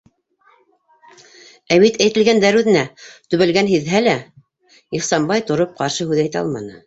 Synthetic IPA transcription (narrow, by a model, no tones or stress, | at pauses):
æwit̪æjt̪ɘ̆lɡænd̪æɾʉðɘ̆næt̪ɵ̆βɘ̆lɡænɦiðɦælæ | iχsɑmbɑjt̪ŏɾop̚qɑɾʃɤhʉðæjt̪ɑ̰lˠmɑ̰nɤ̰